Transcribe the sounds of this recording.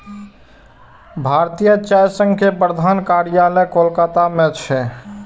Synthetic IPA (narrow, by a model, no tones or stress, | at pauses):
bʱaɾt̪ijət͡ʃajsə̃ŋɡkepɾəd̪ʱankaɾjaləjkolkat̪amet͡ʃʰɛ